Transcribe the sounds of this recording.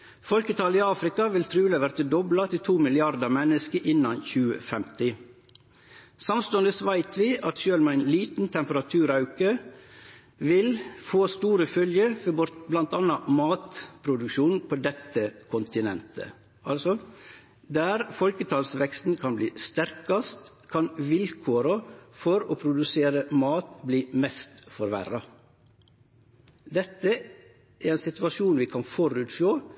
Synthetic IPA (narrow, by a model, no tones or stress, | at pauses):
fɔlkət̪ʰɑːliːɑːfɾɪkɑʋɪlt̪ʰɾʉːləʋæɾt̪əd̪ɔblɑt̪ʰɪlt̪ʰuːmɪlɪɑɾd̪əmɛnəskəʔɪnːɑnçʉːə̰fɛmt̪ɪ | sɑmst̪oːənd̪əsʋæɪt̪ʰʋɪʔɑt̪ʃøːlmɛæɪnliːt̪n̩t̪ʰɛmpəɾɑt̪ʰʉːɾɑʉkə | ʋɪlfoːst̪uːɾəfœljəfɔbɔɾt̪blɑnt̪ɑnːɑmɑːt̪pʰɾʊd̪ʉkʃuːnpʰoːd̪ɛt̪ːəkʰʊnt̪ɪnɛ̰nt̪ʰə̰ | ʔɑlsɔ | d̪æɾfɔlkət̪ʰɑːlsʋɛkst̪n̩kʰɑnbliːst̪æɾkɑst̪ | kʰɑnʋɪlkʰoːɾəfɔɾoːpʰɾʊd̪ʉseːɾəmɑːt̪bliːmɛst̪fɔɾʋæ̰ɾɑ | d̪ɛt̪ːə | ʔæɾɛːnsɪt̪ʋɑʃuːnʋiːkʰɑnfɔɾʉːt̪foː